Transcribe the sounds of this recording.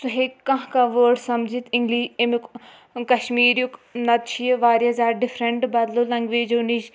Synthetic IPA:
suɦeːkɐ̃ɦkaʋoːɾʈsɐmd͡ʒit̪ɪ̃ŋɡliːʃemk | kɐʃmiːɾjuknɐt̪̚t͡ʃʰijeʋaːɾjazaːɖɪfɾeɳʈbɐd̪lolɐŋɡʋeːd͡ʒoniʃ

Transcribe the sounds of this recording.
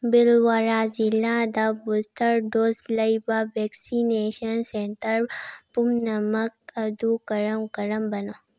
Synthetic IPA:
bɪlʋaɾad͡ʒilːad̪abust̪əɾɖosləibaʋɛksineʃənsent̪əɾpumnɐmək̚əd̪ukəɾəmkəɾəmbəno

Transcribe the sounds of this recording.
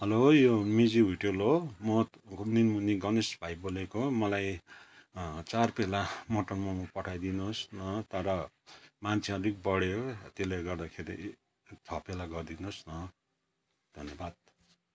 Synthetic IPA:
ʌlojomid͡ziɦuʈolomʌ | kninmuniɡʌnisbʱajbolekomʌlaj | t͡sarpelamʌʈʌnmamupʌʈʰajd̪inosnʌt̪ʌɾʌ | mant͡sʰiʌɾik̚bʌɽjot̪eleɡʌrd̪akʰeɾi | t͡sʰʌpelaɡʌrd̪inosnʌ | d̪̥ʱʌnjʌbad̪̚

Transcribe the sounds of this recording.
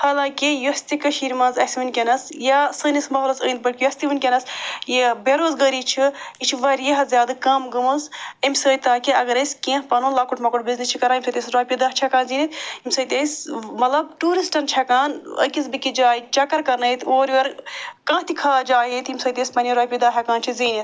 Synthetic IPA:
haːlãːkijust̪ikɐʃiɾmɐ̃nzɐsʲiʋinʲkʲenɐsjasənismɐɦlɐsə̰ːnʲt̪̚bɐɾʲkijɐsʲt̪iʋɨnʲkʲɐnɐsjibeɾoːzɡɐɾit͡ʃʰiit͡ʃʰiʋɐɾjiɦzʲjaːd̪ɨkɐmɡɐmusimʲsəːjt̪aːkiɐɡɐɾɐsʲkẽpɐnuːnlaːkuʈmɐkuʈbiznist͡ʃʰikɐɾaːimsət̪ʲesɾaːpʲid̪ɐht͡ʃʰɐkaːnzinit̪imʲsɐːjt̪ʲesmɐt̪lɐbʈuːɾisʈɐnt͡ʃʰɐkaːnə̰kisbikid͡ʒaːit͡ʃɐkɐɾkɐɾnɐit̪oːɾʋɐɾkãːt̪ikʰaːd͡ʒaːjit̪imʲsɐːjt̪eːsʲpɐnʲiɾaːjpʲid̪aːɦʲɐkaːnt͡ʃʰiziːnit̪

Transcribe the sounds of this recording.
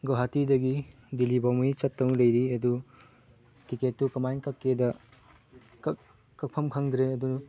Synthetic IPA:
ɡoɦatidɐɡi | dilibawmijt͡ʃɐtːɐŋlɐjɾiɐdu | tiketːukɐmajnkɐkːedɐ | k | kɐk̚pʰɐmkʰaŋd̪ɾeɐdunu

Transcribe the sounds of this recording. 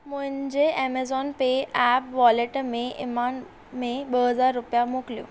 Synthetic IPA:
muɦə̃ɲd͡ʑeʔemezɔnpeɛpʋɔleʈmẽʔɪ̰man | mẽɓəɦəd͡zaɾːʊpjamukljṵ

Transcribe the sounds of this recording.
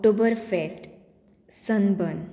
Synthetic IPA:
ʈobəɾfesʈ | sənbən

